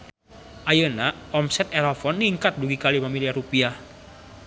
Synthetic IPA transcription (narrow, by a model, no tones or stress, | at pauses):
ʔajəna | ɔmsɛt̪ɛɾɔfɔnːiŋkat̪̚duɡikalipamiliaɾupiah